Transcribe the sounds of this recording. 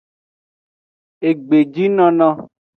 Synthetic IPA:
e˨ɡ͡be˨d͡ʒi˦nɔ̃˧nɔ̃˧

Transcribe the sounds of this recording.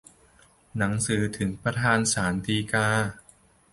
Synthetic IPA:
na˩˦ŋsɯː˩˦t̪ʰɯ˩˦ŋpɾa˧t̪ʰaː˧nsaː˩˦nt̪iː˧kaː˧

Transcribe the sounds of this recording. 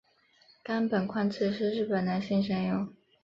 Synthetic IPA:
ka˥npə˨˩nkʰwa˥˧nt͡s̩ʰ˥˧ʂɻ̩˥˧ɻɻ̩˥˩pə˨˩na˧˥nɕi˥˧ŋʂ̬ə˥ŋjʊ˥˩ŋ

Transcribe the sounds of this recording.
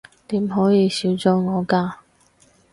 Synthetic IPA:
t̪iː˨˥mɦɔː˨˥jiː˨˧siː˨˥wt͡sɔː˨˥ŋɔː˨˧kaː˧

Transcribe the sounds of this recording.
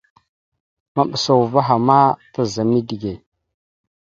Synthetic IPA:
ma˦˨ɓə˨sa˨wu˨va˦ɦa˨ma˦ta˦za˨mi˦di˨ɡe˨

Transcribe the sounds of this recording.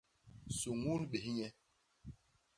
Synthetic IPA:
su˨ŋu˦nɓe˨ɦi˦ɲɛ˦

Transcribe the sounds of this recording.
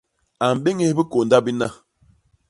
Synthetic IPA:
a˨m̩˨be˦ŋe˦bi˦ko˨nda˦bi˦na˦˨

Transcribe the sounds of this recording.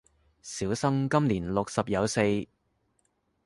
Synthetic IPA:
siː˨˥wsɐ˥ŋkɐ˥mliː˨˩nlʊ˨k̚sɐ˨p̚jɐ˨˧wse˧j

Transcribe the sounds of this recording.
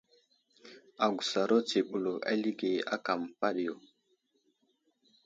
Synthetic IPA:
a˨ɡu˨sa˨ɾo˦te˨ɓu˨lo˨ʔa̰˦li˦ɡe˨a̰˦ka˨mpa˦ɗjo˨

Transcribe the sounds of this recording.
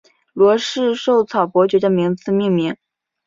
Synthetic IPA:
lwɔ˧˥ʂɻ̩˥˧ʂo˥˩ʊt͡sʰɑ˨˩ʊpwɔ˧˥t͡ɕɥɛ˧˥jɑ˥˩mi˧˥ŋt͡sʰɹ̩˥˧mi˥˩ŋmi˧˥ŋ

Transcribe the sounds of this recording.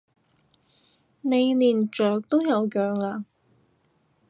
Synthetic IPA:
ne˨˧jliː˨˩nt͡ʃœː˨k̚t̪o˥wjɐ˨˧wkœː˨ŋlaː˧

